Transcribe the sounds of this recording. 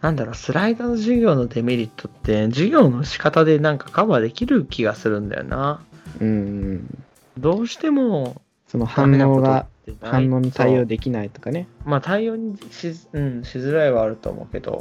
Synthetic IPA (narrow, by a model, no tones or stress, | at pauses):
nãnd̪aɾo̞sɨɾaid̪anoʑiɡʲo̞ːno̞d̪e̞meɾʲit̪ʰːo̞t̪ːe̞d͡ʑiɡʲo̞ːno̞ɕi̥kat̪ad̪e̞nãŋkḁkaβad̪e̞kʲiɾɯ̟kʲiɡasɨɾɯ̟̃nd̪a̰jo̰nʔaɯ̟̃ɴ̃ | d̪o̞ːɕi̥t̪e̞mo̞ | sonoh̪ãnːoːoɡ̪at̪ːenaãnːo̞ːɲ̟it̪aijo̞ːd̪e̞kʲinait̪o̞̥kane̞mat̪aijo̞ːɲ̟iɕiɯ̟̃ɴɕizɨɾaiβaːɾɯ̟t̪o̞̰ːmo̰ːɯke̞d̪o̰